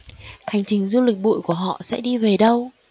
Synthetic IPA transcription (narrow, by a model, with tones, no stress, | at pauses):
ha˨˩jŋ̟t͡ɕï˨˩ŋ̟zu˧li˨˩k̚ɓṵ˧˨jku˧˩əɦɔ̰˧˨sɛ̰˧˥ɗi˧ve˨˩ɗə˧w